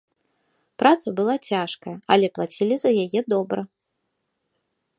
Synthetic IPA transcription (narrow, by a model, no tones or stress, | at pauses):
pɾat̪sɐbɨlˠat͡sʲaʂkɐjɐɐlʲɛplˠat͡sʲilʲizɐjajɛd̪ɔbɾɐ